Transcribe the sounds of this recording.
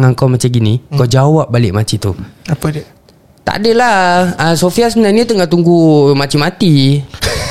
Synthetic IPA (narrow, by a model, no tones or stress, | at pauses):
ŋaŋkawmat͡ʃamɡinikad͡ʒawap̚balɪʔ̚mat͡ʃit̪uap | t̪a̰ʔa̰dəlaəsofiasəmənaɲat̪əŋat̪uŋɡumat͡ʃimat̪i